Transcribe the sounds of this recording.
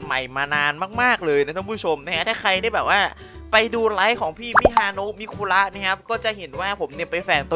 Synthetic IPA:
ma̰˨˩jmaː˧naː˧nmaː˥˩k̚maː˥˩k̚lɤː˧jna˦˥t̪ʰa˥˩pʰu˥˩o˧mna˦˥kʰa˦˥t̪ʰaː˥˩kʰɾa˧jda˥˩jbɛː˨˩waː˥˩ | pa˧jduː˧la˦˥jkʰɔː˩˦ŋpʰiː˥˩pʰiː˥˩haː˧noː˦˥miː˦˧kʰuː˧la˦˥ʔna˦˥kʰa˦˥p̚kɔː˥˩t͡ɕa˨˩ʔɦe˩˦nwaː˥˩pʰo˩˦mni˧˩əpa˧jfɛː˨˩ŋt̪o˧

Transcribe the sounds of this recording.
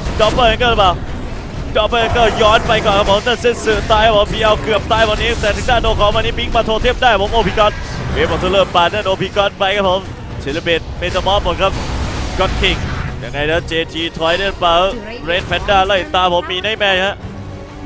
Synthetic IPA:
dɔ˧˥pːəː˧˩ʔɛ˧ŋkɤː˥˩ɾpaː˧˩w | dɔ˧˥pəː˧˩ʔɛ˧ŋkəː˥˩jɔː˦˥npa˧jkɔː˨˩nkʰa˦˥pʰo˨˦mt̪aː˥˩nse˥˩nsɯː˨˩t̪aː˧jkʰa˦˥pʰo˩˦mpʰi˧˥ʔa˧wkɯ˨˩əp̚t̪aː˧jbaː˨˩nːiː˦˥t̪ɛː˨˩t̪ʰɯ˦˥ŋdaː˥˩ndoː˧kʰɔː˨˦maː˧niː˦˥pi˧˥ŋmaː˧˩t̪ʰoː˧t̪ʰi˥˩p̚daː˥˩jpʰo˩˦mʔoː˧pʰiː˧kɔ˦˧˥n̚weː˨˧˩mɔ˧˩t̪ʰːlɤː˧˩paː˧t̪̚naː˦˥˩nʔoː˧pʰiː˧˩kɔ˧˥˩t̚pa˧jkʰa˦˥pʰo˨˦m | t͡ɕʰi˨˧˩li˧˩be˨˩t̪̚meː˧t̪ʰa˧mɔː˦˥mo˨˩t̚kʰa˦˥p̚ɡɔ˦˥t̪̚kʰi˧˩ŋja˧ŋːa˧jt̪a˦˥˩t͡ɕeː˧t̪ʰiː˧t̪ʰɔ˧˥jda˥˩˨pa˧˩ | ɾeː˦˥nfʰɛ˧˥ndaː˧˩laː˧˥˩hi˨˩t̪aː˧pʰo˩˦mːiː˧na˦˥˩jmɛː˧ha˦˧˥ʔ

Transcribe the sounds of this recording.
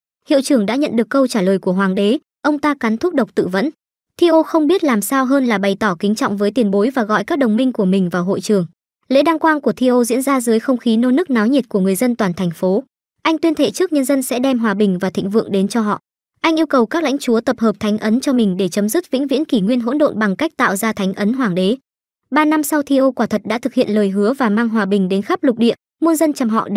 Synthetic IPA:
hḭ˧˨əwt͡ɕɨ˨˧˩əŋɗa̰ː˧˥ɲə̰˧˨nɗɨ˨˩əkːə˧wt͡ɕaː˧˩ləː˨˩jku˧˩əɦwaː˨˩ŋɗe˨˦ | ʔə˧wŋ͡mt̪aː˧ka˨˦nt̪ʰʊ˦˥k͡p̚ɗə˨˩k͡p̚t̪ɨ̰˧˨və̰˧˥n | t̪ʰi˧ʔo˧xə˧wŋ͡mɓi˦˥ət̚laː˨˩msaː˧wɦəː˧nlaː˨˩ɓa˨˩jt̪ɔ˧˩kï˨˦ŋ̟t͡ɕɔ̰˧˨wŋ͡mvəː˨˦jt̪i˧ənɓo˨˦jvaː˨˩ɣɔ̰˧˨jkaː˦˥k̚ɗə˨˩wŋ͡mmï˧ŋ̟ku˧˩əmï˨˩ŋ̟vaː˨˩wɦo̰˧˨jt͡ɕɨ˨˩əŋ | lḛ˧˥ɗaː˧ŋkwaː˧nku˧˩ət̪ʰi˧ʔo˧zḭ˧˥ənzaː˧zɨː˨˦jxə˧wŋ͡mxi˨˦no˧nɨ˦˥k̚naː˨˦wɲi˨˩t̚ku˧˩əŋɨ˨˩əjzə˧nt̪waː˨˩nt̪ʰɛ˨˩ŋ̟fo˨˦ | ʔa˧jŋ̟t̪wi˧ənt̪ʰe˧˩t͡ɕɨ˦˥ək̚ɲə˧nzə˧nsɛ̰˧˥ɗɛ˧mɦwaː˨˩ɓï˨˩ŋ̟vaː˨˩t̪ʰï˧˨ŋ̟vɨ̰˧˨əŋɗe˨˦nt͡ɕɔ˧ɦɔ̰˧˨ | ʔa˧jŋ̟ʔi˧əwkə˨˩wkaː˦˥k̚la̰˧˥jŋ̟t͡ɕu˨˦ət̪ə˨˩p̚həː˨˩p̚t̪ʰa˨˦ŋ̟ʔə˨˦nt͡ɕɔ˧mï˨˩ŋ̟ɗe˧˩t͡ɕə˨˦mzɨ˦˥k̚vḭ˧˥nvḭ˧˥ənki˧˩ŋwi˧ənɦo̰˧˥nɗo̰˧˨nɓa˨˩ŋka˦˥jk̟̚t̪a̰ː˧˨wzaː˧t̪ʰa˨˦jŋ̟ʔə˨˦nɦwaː˨˩ŋɗe˨˦ | ɓaː˧na˧msa˧wt̪ʰi˧ʔo˧kwaː˧˩t̪ʰə˨˩t̚ɗa̰ː˧˥t̪ʰɨ˨˩k̚hḭ˧ənləː˨˩jɦɨ˨˦əvaː˨˩maː˧ŋɦwaː˨˩ɓï˨˩ŋ̟ɗe˨˦nxa˦˥p̚lʊ˨˩k͡p̚ɗḭ˧˨ə | mu˧nzə˧nt͡ɕa˨˩mɦɔ̰˧˨

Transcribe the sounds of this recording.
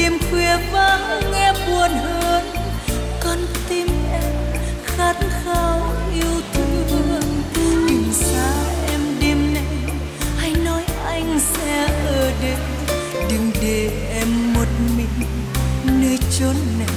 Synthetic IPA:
ɗi˧mkwɛ˧˩əvaː˧˦hŋɛ˧ɓu˨˩ənhəː˧n | kɔ˧nt̪i˧mʔɛ˧m | xaː˨˦˥t̚xaː˧wʔi˧əwt̪ʰu˧˦və˧nt̪i˨ŋ̟zaː˧ʔɛ˧mɗe˧mna˧˦j | ha˧jnɔ˨˦jʔa˧jŋ̟s | ɛ˧˥ʔəː˨˩ɗe˨˦ | ɗɨ˨˧˩ŋɗe˨˩ʔɛ˧mːo˨˩t̚mï˨˩ŋ̟ | nəː˧jt͡ɕo˨˦nna˨˩˨

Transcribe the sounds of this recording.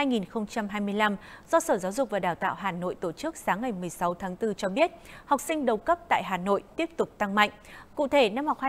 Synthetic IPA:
haː˧jŋi˨˩nxə˧wŋ͡mt͡ɕa˧mɦaː˧jmɨ˧əjla˧mz̥ɔ˧səː˧˩zaː˨˦wzʊ˨˩k͡p̚vaː˨˩ɗaː˨˩wt̪a̰ː˧˨wɦaː˨˩no̰˧˨jt̪o˧˩t͡ɕɨ˦˥ək̚saː˨˦ŋːa˨˩jmɨ˨˩əjsa˨˦wt̪ʰaː˨˦ŋt̪ɨ˧t͡ɕɔ˧ɓi˦˥ət̚ha˨˩wk͡p̚sï˧ŋ̟ɗə˨˩wkə˦˥p̚t̪a̰ː˧˨jɦaː˨˩no̰˧˨jt̪i˦˥əp̚t̪ʊ˨˩k͡p̚t̪a˧ŋma̰˧˨jŋ̟kṵ˧˨t̪ʰe˧˩na˧mha˨˩wk͡p̚ha˧

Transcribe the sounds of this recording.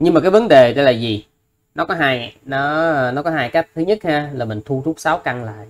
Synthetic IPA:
ɲɨ˧ŋmaː˨˩kaː˨˦jvə˨˦nɗe˨˩ɗe˨˦jlaː˨˩zi˨˩ | nɔ˨˦kɔ˨˦ɦaː˧jnɔ˨˦nɔ˨˦kɔ˨˦ɦaː˧jka˦˥jk̚t̪ʰɨ˨˦ɲə˦˥t̚haː˧laː˨˩mï˨˩ŋ̟t̪ʰu˧t̪ʰu˦˥k͡p̚saː˨˦wka˧ŋla̰ː˧˨j

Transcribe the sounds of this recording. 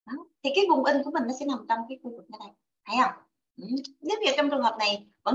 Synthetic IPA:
ɗɔ˨˦t̪ʰi˨˩kaː˨˦jvʊ˨˩ŋ͡mʔï˧˩ŋ̟ku˨˧˩əmï˨˩ŋ̟nɔ˨˦sɛ̰˧˥na˨˩mt͡ɕɔ˧wŋ͡mkaː˨˦jxu˧vɨ˨˩k̚ɲa˨˦na˨˩j | ha˧jhə˧wŋ͡m | ʔ̩˧˨˩ɲi˨˦˥vi˨˩t͡ɕɔ˧wŋ͡mt͡ɕɨ˨˩əŋhəː˨˩p̚na˨˩jvə̰˧˥˦

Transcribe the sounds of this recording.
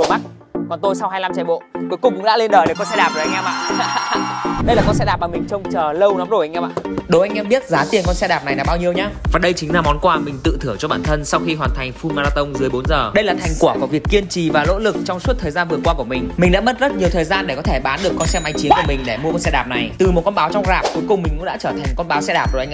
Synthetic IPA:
ma˦˥t̚ | kɔ˨˩nt̪o˧jsa˧wɦaː˧jla˧mt͡ɕa˨˧˩jɓo̰˧˨ku˨˦jkʊ˨˩ŋ͡mkʊ̰˧˥ɗa̰ː˧˥le˧nɗəː˨˩ɗə˨˩kɔ˧nsɛ˧ɗaː˨˩p̚zo˨˩˨jŋʔaː˧ma̰ː˧˨˧ɗə˧jlaː˨˩kɔ˨˧nsɛ˧ɗaː˨˩p̚a˨˩mï˨˩ŋ̟t͡ɕə˧wŋ͡mt͡ɕəː˨˩lə˧wnɔ˨˦zo˧˩ʔa˧jŋʔaː˧mɓa̰ː˧˨ɗə˨˦wʔa˧ŋʔɛ˧mɓi˦˥ət̚zaː˨˦t̪i˨˩ənŋkɔ˧nsɛ˧ɗaː˨˩p̚na˨˩jlaː˨˩ɓaː˧wɲi˧əwɲaː˧vaː˨˩ɗə˧jt͡ɕi̟˨˦laː˧˩mɔ˨˦nkwaː˧mï˨˩ŋ̟t̪ɨ̰˧˨t̪ʰɨ˧˩ət͡ɕɔ˧ɓaː˧˩nt̪ʰə˧nsa˧wxi˧ɦwaː˨˩nt̪ʰa˨˩jŋ̟fu˧nmaː˧laː˧t̪ə˧wŋ͡mzɨ˨˦əjɓo˨˦nzəː˨˩ɗə˧jlaː˨˩t̪ʰa˨˩jŋ̟kwu˧˩əku˧˩vi˨˩əkːi˧ənt͡ɕi˨˩vaː˨˩lo̰˧˥lɨ˨˩k̚t͡ɕɔ˧wŋ͡msu˦˥t̚t̪ʰəː˨˩jzaː˧nvɨ˨˩əkwaː˧ku˧˩əmï˨˩ŋ̟mï˨˩ŋ̟ɗa̰ː˧˥mə˦˥t̚zə˦˥t̚ɲ˨˩wt̪ʰəː˨˩jzaː˧nɗe˧˩kɔ˨˦t̪ʰe˧˩ɓaː˨˦nɗɨ˨˩əkːɔ˧nsɛ˧mʔa˨˧jŋt͡ɕi˨˦ənku˧˩əmï˨˩ŋ̟ɗe˧˩mu˧əkɔ˧nsɛ˧ɗaː˨˩p̚na˨˩jt̪ɨ˨˩mo˨˩t̚kɔ˧nɓaː˨˦wt͡ɕɔ˧wŋ͡mzaː˨˩p̚ku˨˦jkʊ˨˩ŋ͡mi̟˨˩kṵ˧˥ɗa̰ː˧˥t͡ɕəː˧˩t̪ʰa˨˩ŋkɔ˧nɓaː˨˦wsɛ̰˧˥ɗaː˨˩p̚zo˨˩jʔŋʔ

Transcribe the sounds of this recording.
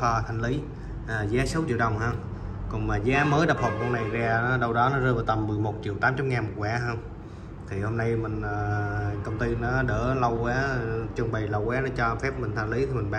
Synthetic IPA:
ɔ˧t̪ʰa˧jŋ̟li˨˦ | ʔəː˨˩zaː˨˦sə˨˦t͡ɕḭ˧˨əwɗə˨˩wŋ͡mhəː˧ŋ͡m | kʊ˨˩ŋ͡mmaː˨˩zaː˨˦məː˨˦jɗa˨˩p̚hə˨˩p̚ɓu˧əna˨˩jzaː˧nɔ˨˦ɗə˧wɗɔ˨˦nɔ˨˦zə˧vaː˨˩t̪ə˨˩mːɨ˨˩əjmo˨˩t̚t͡ɕḭ˧˨wt̪aː˨˦mt͡ɕa˨˦mŋaː˨˩nmo˨˩t̚kwaː˧˩˦ɦəː˧ŋ͡m | t̪ʰi˨˩ho˧mna˧jmï˨˩ŋ̟ʔəː˨˩kə˧wŋ͡mt̪i˧nɔ˨˦ɗə̰ː˧˩lə˧wɣwaː˨˦t͡ɕɨ˧ŋ͡mɓə˨˩jlə˧wwaː˨˦nɔ˨˦t͡ɕɔ˧fɛ˦˥p̚mï˨˩ŋ̟t̪ʰa˧jŋ̟li˨˦t̪ʰi˨˩mi˨˩ŋ̟ɓa˨

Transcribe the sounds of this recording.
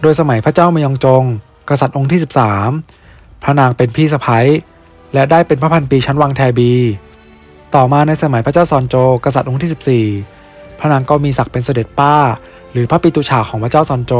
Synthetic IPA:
doː˧jsa˧ma˨˩˦jpʰa˥t͡ɕaː˥˩wma˧jʔɔ˧ŋt͡ɕo˧ŋ | ka˧sa˨˩t̪̚ʔo˧ŋt̪ʰiː˥˩si˨˩p̚saː˩˦m | pʰɾa˦˥naː˧ŋpe˧npʰiː˥˩sa˧pʰa˦˥j | lɛ˦˥daː˥˩jpe˧npʰa˦˥pʰa˧npiː˧t͡ɕʰa˦˥nwaː˧ŋt̪ʰɛː˧biː˧ | t̪ɔː˨˩maː˧na˧jsa˧ma˨˩˦jpʰɾa˥t͡ɕaː˥˩wsɔː˧nt͡ɕoː˧ka˧sa˨˩t̪ʔo˧ŋt̪ʰiː˥˩si˨˩p̚siː˨˩ | pʰɾa˦˥naː˧ŋkɔ˧˩miː˧sa˨˩k̚pe˧nsa˧de˨˩t̪̚paː˥˩ | ɾɯː˩˦pʰa˦˥piː˧t̪uː˧t͡ɕʰaː˨˩kʰɔː˩˦pʰa˥t͡ɕaː˥˩wsɔː˧nt͡ɕoː˧

